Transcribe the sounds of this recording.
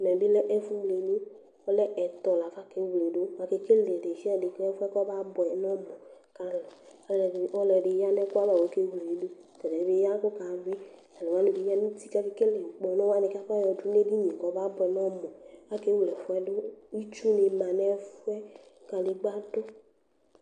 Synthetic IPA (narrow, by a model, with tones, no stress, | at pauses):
nɛ̃˨be˦lɛ˦ʔɛ˦fu˦wle˨ne˦ | ɔ˦lɛ˦ʔɛ˨t̪ɔ˨la˨va˦ke˦wu˨le˨ɖo˦wa˨ke˦ke˦le˨ɖe˨ʃi˦ɛ˦ɖe˨kɛ˦fɛ˦kɔ˦ba˦bɔ˨ɛ˨nɔ̃˦mɔ̃˨ka˨lɔ˨˦˨ | ɔ˦lɛ˨ɖe˨ja˦nɛ˦ko˦a˦ba˨wo˨˦ke˦wle˨ɖo˦ | t̪ɛ˨nɛ˨be˦ja˦ko˦ka˨be˦ | a˨lo˨wa˦nũ˨vi˨˦ja˦nũ˦t̪i˦ka˦ke˨ke˦le˨k͡pɔ˨nɔ̃˦wa˦ne˨ka˦fa˦jɔ˨du˦ne˦di˦ɲĩ˨kɔ˨˦ba˦bɔ˨ɛ˨nɔ̃˦mɔ̃˨a˦ke˦wu˨lɛ˨fɛ˦ɖo˦i˦t͡ʃu˦ne˨mã˨nɛ˦fu˦ɛ˦ka˨le˨ɡ͡ba˦do˦